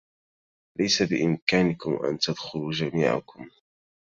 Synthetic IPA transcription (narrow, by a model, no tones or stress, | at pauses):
lajsabɪʔɪmkaːnɪkʊmʔa̰nt̪ad̪xʊluːd͡ʒamiːʕa̰kʊm